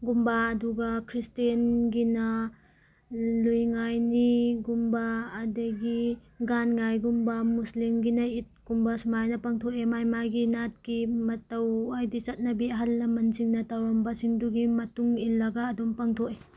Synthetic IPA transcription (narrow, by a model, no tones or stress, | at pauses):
ɡumbaːduɡɐkʰɾistenɡinɐ | lujŋajniɡumbaːdɐɡi | ɡanŋajɡumbɐmuslimɡinɐit̚ɡ̥umbɐsmajnɐpaŋtʰokemajmajɡinat̚kimɐtɐwajdit͡ʃɐt̚nɐbiɐɦalnɐmɐnziŋnɐtawɾɐmbɐsiŋduɡimɐtuŋilːɐɡaːdumpaŋtʰoke